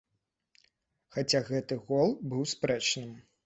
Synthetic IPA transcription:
xat͡sʲaɣɛt̪ɨɣɔlˠbɨwspɾɛt͡ʂnɨm

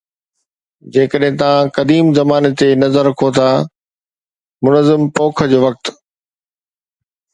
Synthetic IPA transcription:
d͡ʑeːkəɗɦɪ̃t̪ɐʋãkɐd̪iːmzɐmaːnet̪enɐzəɾɐkʰot̪ʰaː | mʊnəzɪmpoːkʰəd͡ʑoːʋɐk̚t̪

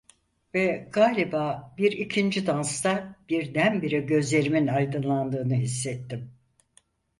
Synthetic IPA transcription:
vɛɡaːlʲibaːbiɾicʰind͡ʒid̪anst̪ab̥iɾd̪ænbiɾiɟø̞zlʲe̞ɾiminajd̪ɯnlˠand̪ɯːnɯɦis̬ːɛt̪ʰːim

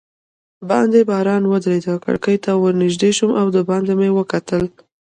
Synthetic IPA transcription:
bɑ̰nd̪ebɑɾɑnwəd̪ɾed̪əka̰ɽkəjt̪awəɾnɪʒd̪eʃumʔawd̪əbɑnd̪emewəkat̪əl

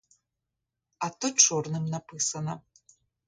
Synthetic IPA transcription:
atʰɨʈ͡ʂʰurnɨmnapʰɨsɐnɐ

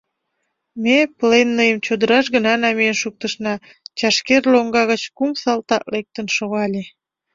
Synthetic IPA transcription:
meplenːəjəmt͡ɕod̪əɾɑʃɣənɑnɑmiənʃuk̚t̪əʃnɑ | t͡ɕɑʃkerloŋɡɑɣət͡ɕkumsɑlt̪ɑʔlek̚t̪ənʃoɣɑlʲe

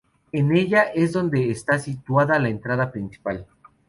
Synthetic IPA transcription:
e̞ne̞ʝaʔe̞zðo̞nd̪e̞ːst̪asit̪waðalaent̪ɾaðapɾinsi̥pal

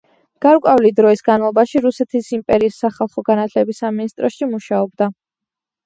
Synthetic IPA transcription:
ɡ̥aɾkʼavlid̪ɾɔisɡanmalˠɔbaʃiɾusɛt̪ʰisimpʼɛɾiːsːaχalˠχɔɡanat̪ʰlɛbisaminist̪ʼɾɔsʃimuʃaɔb̚d̪a

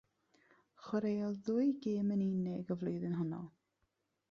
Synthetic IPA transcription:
χwəɾejɔlˠðʊjɡeːməninɪɡɔvlˠʊɨðɪnɦənɔ̰

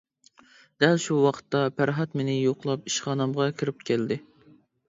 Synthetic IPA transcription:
d̪̥ɛlʃuwɑqʰə̥t̪ːɑpʰæɾɦɑt̪menɪjoqlˠɑpiʃχɑːnɨmʁɑkʲʰiɾɪp̚kʲʰæld̪ɪ

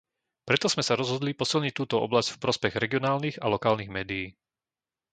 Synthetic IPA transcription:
pɾɛt̪ɔz̥mɛsaɾɔzɦɔd̪lipɔsilɲic̚t̪uːt̪ɔɔ̰blazcfpɾɔspɛɣɾɛɡiɔnaːlniɣalɔkaːlniɣmɛːd̪ijiː

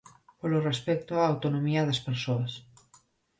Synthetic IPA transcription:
polorespɛk̚t̪oaːwt̪onomiɐðɐspeɾsoɐs

